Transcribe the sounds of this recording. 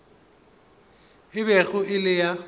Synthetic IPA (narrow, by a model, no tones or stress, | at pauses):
ɪβɛɣʊʔɪlɪja